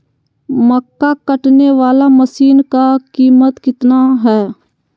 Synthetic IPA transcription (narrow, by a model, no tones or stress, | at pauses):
məkːakəʈneʋaːlaməsiːnkakiːmət̪kɪt̪naɦɛː